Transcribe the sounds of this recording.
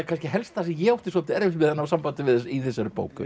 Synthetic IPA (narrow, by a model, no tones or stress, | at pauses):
akanscɪɦɛlst̪θans̬cɪjɛowht̪ɪsɔ̥t̪ɪɛɾvɪt̪mɪðanːawsampant̪ɪvɪðsiθɛsːaɾʏpo̰ːwkʏ̰